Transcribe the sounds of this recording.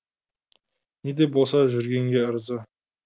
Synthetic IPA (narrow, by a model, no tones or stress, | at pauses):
ned̪e̞bo̞lˠsɑʒʏɾɡʲe̞ŋɡʲe̞əɾzə